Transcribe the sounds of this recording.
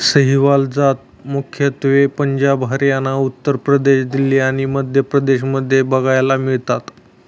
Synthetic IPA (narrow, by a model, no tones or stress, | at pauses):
səɦiʋald͡zat̪ | mukʰjət̪ʋepəɲd͡ʑabɦaɾjanaut̪ːəɾpɾəd̪eɕd̪ileaɽ̃iməd̪ʱjəpɾəd̪eɕməd̪ʱːjebəɡajlamiɭt̪at̪